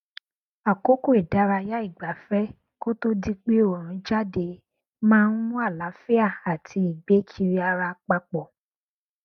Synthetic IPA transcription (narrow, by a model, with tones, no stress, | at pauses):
a˨ko˦ko˦˨e˨da˨˦ɾa˧ja˦i˦˨ɡ͡ba˨fɛ˦ | ko˦to˦di˦k͡pe˦o˨ɾ̃ũ˨˦d͡ʒa˦de˧ | mãː˦˧n̩˦mũ˦a˦˨la˨˦fi˦a˦˨a˨tʰi˧˦i˨ɡ͡be˨˦kʰi˧ɾi˧˦a˧ɾa˧k͡pa˧k͡pɔ˨